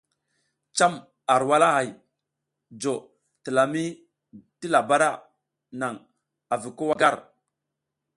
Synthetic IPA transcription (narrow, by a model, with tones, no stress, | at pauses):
t͡ʃa˦m | a˨ɾwa˦la˦ɦa˨j | d͡ʒo˨ | ti˨la˨mi˦ | ti˦la˨ba˦ɾa˦ | na˨ŋ | a˨vi˨ko˦wa˦ɡa˦ɾ